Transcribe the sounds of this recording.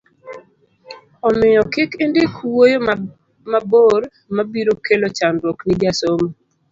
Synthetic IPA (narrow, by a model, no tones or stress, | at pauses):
ɔmɪjɔkɪkendɪkwojo | maboɾ | mabiɾokelot͡ʃanɾwɔknɪd͡ʒasom